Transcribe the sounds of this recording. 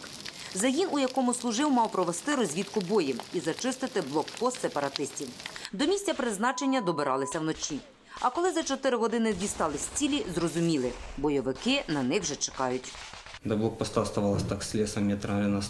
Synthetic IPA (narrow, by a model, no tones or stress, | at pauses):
zɐɦinʔujɐkɔmʊslˠʊʒɪwmɑwpɾɔʋest̪ɪɾɔzʲʋʲit̪kʊbɔjiizɐt͡ʃɪst̪ɪt̪ɪblˠɔkpɔst̪sepɐɾɐt̪ɪsʲtʲiwd̪ɔmʲisʲt͡sʲɐpɾɪznɑt͡ʃe̞nʲːɐd̪ɔbɪɾɑlˠɪsʲɐwnɔt͡ʃʲi | ɐkɔlˠɪzɐt͡ʃɔt̪ɪɾɪɦɔd̪ɪnɪzʲʋʲist̪ɑlˠɪsʲt͡sʲilʲizrɔzʊmʲilˠɪbɔjɔʋɪkɪnɐnɪxwʒɛt͡ʃe̥kɑjʊtʲ | d̪ɐblˠɔk̚pɔst̪ast̪ɐʋɑlˠɐsʲt̪ɑksʲlʲɛsɐmʲɛt̪ɾlʲɛnɐ